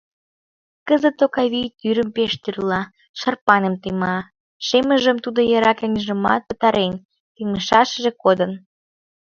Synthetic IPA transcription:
kəzət̪ːokɑβijt̪yɾəmpeʃt̪yrlɑ | ʃɑrpɑnəmt̪əmɑ | ʃeməʒəmt̪ud̪ojɑɾɑkenʲʒə̆mɑ̰t̪̚pət̪ɑɾʔen | t̪iŋəʃɑʃəʒekod̪ən

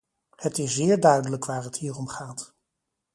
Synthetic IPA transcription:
hətɪszɪːɹdœɥdələkʋaːɹəthiːrɔmχaːt

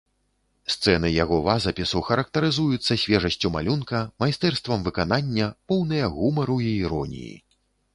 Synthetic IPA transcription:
st̪sɛnɨjaɣɔvazɐpʲisuxɐɾɐk̚t̪ɐɾɨzujut̪sːɐsʲvʲɛʐɐsʲt͡sʲuma̰lʲunkɐmajst̪ɛrst̪vɐmvɨkananʲːɐpɔwnɨjɐɣumɐɾuiːɾɔnʲḭjḭ

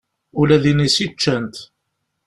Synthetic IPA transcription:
ʊlæðinisit͡ʃːənt̪

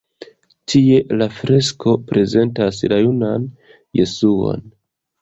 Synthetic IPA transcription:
tʰie̞lafɾe̞skʰo̞pɾe̞ze̞ntaslajunan | je̞suo̞̰n

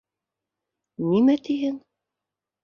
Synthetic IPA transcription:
nimæt̪iɦɘn

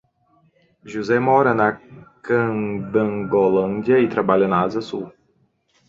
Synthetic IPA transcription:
ʒuzɛmɔɾɐnɐkɐ̃d̪ɐ̃ŋɡolɐ̃nd̪jɐɪt̪ɾabaʎɐnɐazɐsu

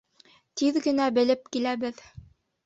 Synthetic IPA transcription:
t̪iðɡɘ̆næbɘ̆lɘp̚kilæβɘð

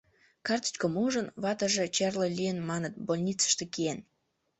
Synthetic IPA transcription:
kɑrt̪ə̥t͡ɕkəmuʒənβɑt̪əʒet͡ɕerləlʲijənmɑnət̪̚bolʲnʲit͡sə̥ʃt̪ekien

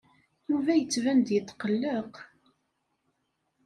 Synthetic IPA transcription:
juvæjət͡sːvænd̪jət̪ːqəlːəq

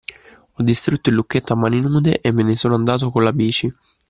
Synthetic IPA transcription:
ɔd̪ːist̪ɾut̪ːoilːukːet̪ːamːaninuːd̪eʔemːenesoːnoand̪aːt̪̬okonlabiːt͡ʃi

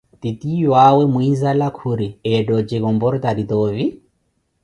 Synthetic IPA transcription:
t̪itijwawɛmuizalakʰuɾiɛdɔt͡ʃɛkɔmbɔɾɔt̪adit̪ɔːvi

